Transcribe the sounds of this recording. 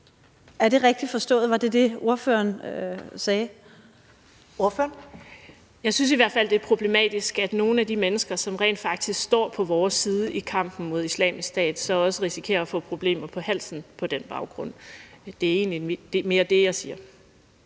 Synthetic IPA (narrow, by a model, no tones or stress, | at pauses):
æɐd̥e̝ʁɛɡ̥̚d̥ifɒ̽sd̥ɔ̰̽ːð̩ˠʋɑ̈d̥e̝d̥e̝o̝ɐfø̰ɐnsɛː | o̝ɐføːɐn | jɑ̈ɪsynsiʋæɐ̰d̥fæl̰d̥e̝æɐpʰʁo̝b̥le̝mɛ̰ːd̥isɡ̥æd̥no̝ːn̩æd̥imenəsɡ̥ɐsɒ̽mʁɛ̰ɪːnd̥fɑ̈ɡ̥̚d̥isɡ̥sd̥ɒ̰ːpʰɒ̽ʋɒːsːiːð̞ˠəʔikʰɑ̈m̰b̥n̩mo̝ð̞̰ˠislɛ̰ːmisɡ̥sd̥ɛ̰ːd̥sɒ̽ɒ̽səʁisi̥kʰe̝̰ːɐːfɔ̰̽ːpʰʁo̝b̥le̝̰ːmɐpʰɒ̽hæl̰sn̩pʰɒ̽d̥enb̥ɑ̈ʊɡ̥ʁɔ̽n̰d̥e̝æɐe̝̰ːnlid̥e̝me̝ːɐd̥e̝jɑ̈ɪsiːɐ